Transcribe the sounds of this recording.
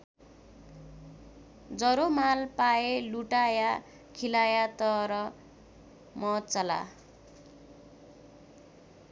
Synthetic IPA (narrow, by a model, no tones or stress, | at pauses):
d͡zʌɾomalpaeluʈaja | kʰilajat̪ʌɾʌ | mʌt͡sʌla̰